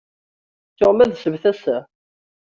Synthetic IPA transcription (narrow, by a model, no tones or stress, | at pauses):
t̪ːoʁmæðsəvθæsæ